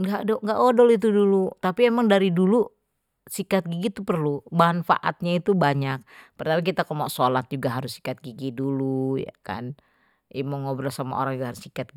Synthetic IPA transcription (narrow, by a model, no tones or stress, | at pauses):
ŋɡaʔdɔŋɡaʔodɔlit̪̬udulut̪apiemaŋdaɾidulu | sikat̪̚ɡiɡit̪upərlumanfa̰ʔa̰t̪̚ɲait̪ubaɲak̚pərt̪apik̬it̪akɔmoʔsolat̪̚d͡ʒuɡaɦaɾʊsːi̥kat̪̚ɡiɡiduluja̰ka̰n | imoŋobɾalsama̰o̰ɾaŋd͡ʒuɡahaɾʊsikat̪̚ɡ